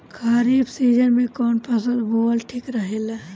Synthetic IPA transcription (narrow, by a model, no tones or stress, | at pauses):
kʰaːɾiːbsiːd͡ʒənmẽkɔːnpɐsə̃nd̪boːlʈʰiːkɾəɦela